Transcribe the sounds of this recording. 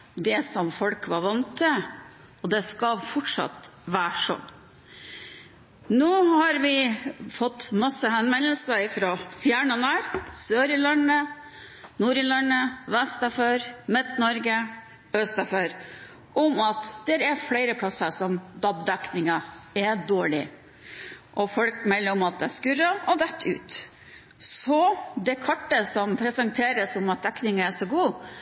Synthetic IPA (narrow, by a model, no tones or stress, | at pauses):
d̪ɛsɔmfɔlkʋɑɾʋɑnt̪ʰːə | ɔd̪ɛskɑfɔʈʂɑ̰t̪ʋæːʂɔ̰n | noːhɑɾʋɪfɔt̪ːmɑsːəhɛnmɛləlsəɾɪfɾɔfjæːɳənæɾsøːɾɪlɑnə | nuːɾɪlɑnəʋɛst̪əføɾmɛt̪ːnɔɾɡə | œst̪ɑføɾ | ʔɔmɑt̪d̪̥ɛɾɛɾfɽɛɪɾəpʰlɑsəsɔmd̪ɑbd̪ɛknɪŋɑɛd̪oːɭɪ̰ | ʔɔfɔlkmɛlːəɾɔmɑt̪̚d̪ɛæskʉɾəɔd̪ɛt̪ʰːʉ̰ːt̪ | sɔd̪ɛkʰɔʈːəsɔmpʰɾɛsənt̪ʰeːɾəsɔmɑt̪̚d̪ɛknɪŋəæʂɔɡuː